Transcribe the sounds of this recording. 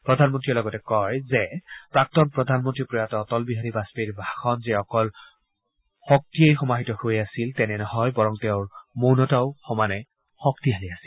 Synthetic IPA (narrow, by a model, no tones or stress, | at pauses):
pɹɔdʱanmɔntɹilɔɡɔtɛkɔjzɛpɹak̚tɔnpɹɔdʱanmɔntɹipɹɔjatɔɔtɔlbiɦaɹibaspiɹbʱaxɔnzɛɔkɔl | xɔk̚tiejxɔmaɦitɔhojasiltɛnɛnɔhɔjbɔɹɔŋteʊɹmonɔtaʊxɔmanɛ | xɔk̚tiɦaliasil